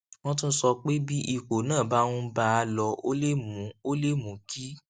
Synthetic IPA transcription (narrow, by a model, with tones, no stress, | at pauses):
w̃ɔ̃˧t̬ũ˦sɔ˧k͡pe˦bi˦ʔi˨ko˨nãː˦˨ba˦w̃ũ˧˦ba˧lɔ˧o̰˦le˦mũ˨˦o˦le˦mũ˨˦ki˦